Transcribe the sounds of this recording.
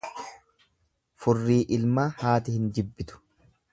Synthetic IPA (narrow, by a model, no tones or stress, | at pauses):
fʊrːiːʔɪlmaːhaːt̪ɪhɪnd͡ʒɪbːɪt̪ʊ̥